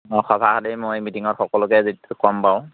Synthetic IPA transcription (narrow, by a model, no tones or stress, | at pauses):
ɔxɔbʱakadɛmojmitiŋɔtxɔkɔlʊkɛzetʊkɔmpaʊ̃